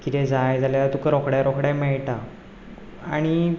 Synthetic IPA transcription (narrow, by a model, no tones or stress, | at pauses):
kit̪ɛ̃d͡zajd͡zʱaljaat̪ukəɾɔkɽjaɾɔkɽamɛɭʈa | a̰ɽ̃i